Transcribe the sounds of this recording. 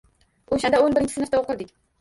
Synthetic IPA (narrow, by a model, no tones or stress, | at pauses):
oʃand̪aonbɪɾɪnt͡ʃʰɪ̥snɨft̪aoqɨɾd̪ɪkʲ